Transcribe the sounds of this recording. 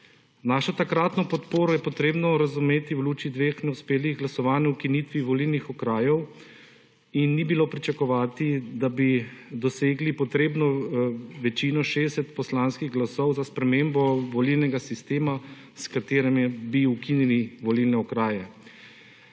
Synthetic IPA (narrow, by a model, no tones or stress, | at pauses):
naːʃɔt̪akɾaːt̪nɔpɔt̪poːɾɔjɛpɔt̪ɾeːbnɔɾazumeːt̪iwluːt͡ʃid̪ʋeːxnɛuspeːliɣɡlasɔʋaːnjwkinit̪ʋiʋɔlilnixɔkɾaːjɔw | inːibiloːpɾit͡ʃakɔʋaːt̪id̪abid̪ɔseːɡlipɔt̪ɾeːbnɔ | ʋɛt͡ʃiːnɔʃeɛsɛt̪pɔslaːnskiɣɡlasɔwzaspɾɛmembɔʋɔlilnɛɡasist̪eːma | skat̪eːɾɛmibiukiniliʋɔlilnɛɔkɾaːjɛ